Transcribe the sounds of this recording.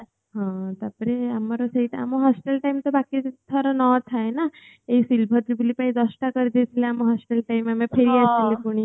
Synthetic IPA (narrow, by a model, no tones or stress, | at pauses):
ɦɔ̃t̪apəɾeamaɾɔseɦiʈa̰moɦɔsʈelʈajmt̪ɔbakit̪ʰaɾɔnɔt̪ʰaena | eisilbʱɔt̪ɾibulipaĩd̪ɔsʈakɔɾid̪et̪ʰileamɔɦɔsʈelʈajmamepʰeɾiasilepuɽ̃i